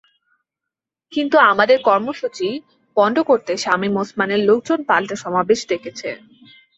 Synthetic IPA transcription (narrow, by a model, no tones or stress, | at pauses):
kint̪uamad̪eɾkɔɾmoʃut͡ɕi | b̥ɔɳɖokoɾt̪eʃamimosmaneɾlok̚d͡ʑonpalʈaʃɔmabeʃd̪ekʰet͡ɕʰe